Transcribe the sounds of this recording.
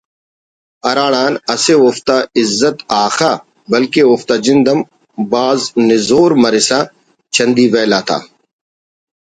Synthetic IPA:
ɐɾaːɽ̃aːnɐseoːft̪aːɪzːət̪aːxaː | bɐlkeoːft̪aːd͡ʒɪnd̪əm | baːznɪzoːɾmɐɾɪsaː | t͡ʃɐ̃nd̪iʋɛːlaːt̪ʰa̰ː

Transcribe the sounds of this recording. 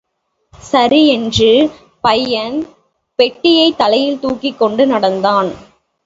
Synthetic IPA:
sɐɾiɛndrɯ | pɐjːɐn | pɛʈːɪjɐɪt̪ːɐlɐjɪlt̪uːkːɪkːɔɳɖɯnɐɽɐnd̪aːn

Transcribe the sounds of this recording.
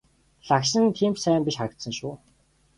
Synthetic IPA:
ɮakʃɪ̆nt̪ʰiːmt͡ɕsæːmpiʃχaɾ̆k̚t̪sə̆ŋʃuː

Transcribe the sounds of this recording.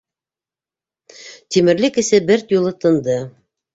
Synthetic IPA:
t̪imɘ̆ɾlɘkɘ̆sɘbɘɾt̪julˠɤt̪ɤ̆nd̪ɤ

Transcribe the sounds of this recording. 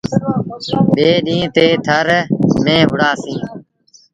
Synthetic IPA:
ɓeːɗĩːt̪eːt̪ʰəɾnẽːɦʊɽaːsĩː

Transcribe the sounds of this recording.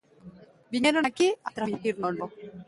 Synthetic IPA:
biɲeɾoakiat̪ɾaixiɾnolo

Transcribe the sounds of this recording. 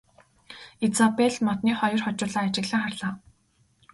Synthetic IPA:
et͡sapeɮmɔt̪niːχɔjɞ̆rχɔt͡ɕʊːɮaːat͡ɕɪ̆ɣɮə̆ŋχarɮaː

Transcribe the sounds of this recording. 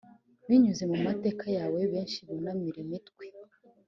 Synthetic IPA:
βiɲuze̞mumate̞ːkajaːwe̞βe̞ːnʃiβunamiɾemitkwe

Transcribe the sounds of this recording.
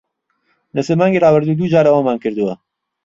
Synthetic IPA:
lɐseːmaːŋɡirɑːbɨɾd̪uːd̪uːd͡ʒaːɾɐwaːnmaːnkɨɾd̪uwɐ

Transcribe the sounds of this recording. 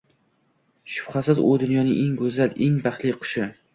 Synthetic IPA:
ʃʊ̥b̥χasɪzʊ̰d̪ʊnjɒnɪŋʔeŋɡʊzaleŋbaχt̪lɪqʰʊ̥ʃɪ

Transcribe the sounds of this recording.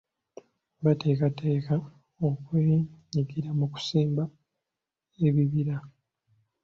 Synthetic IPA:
bate̞ːkateːka | o̞kweːɲiɡiɾamuku̥seːmba | e̞βiβiɾa

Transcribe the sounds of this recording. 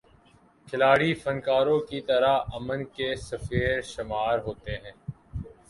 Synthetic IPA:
kʰɪlaːɽifɐnkaːɾõkit̪ɐɾaɐmənkesɐfeːɾʃɪmaːɾɦoːt̪eɦɛ̃ː

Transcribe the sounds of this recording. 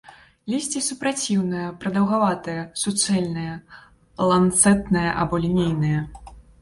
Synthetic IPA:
lʲisʲt͡sʲisupɾat͡sʲiwnɨjɐpɾɐd̪ɐwɣavat̪ɨjɐsut̪sɛlʲnɨjɐ | lˠant̪sɛt̪nɨjɐʔa̰bɔlʲinʲejnɨjɐ

